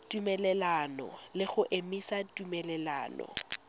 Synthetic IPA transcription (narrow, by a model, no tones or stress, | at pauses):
tʼumɛlɛlanɔ̰lɪχʊʔemisatʼumɛlɛla̰ːnɔ̰